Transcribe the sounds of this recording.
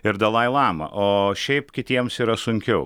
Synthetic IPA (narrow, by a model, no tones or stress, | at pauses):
ɪɾd̪ɐlˠɐɪlˠɑːmɐ̰ʔoːʃʲɛɪpkʲɪt̪ʲiɛmsiːɾɐsʊŋʲkʲɛʊ